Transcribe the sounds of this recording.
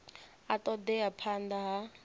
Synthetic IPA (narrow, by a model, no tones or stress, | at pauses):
at̪ɔd̪ɛapʰand̪aɦa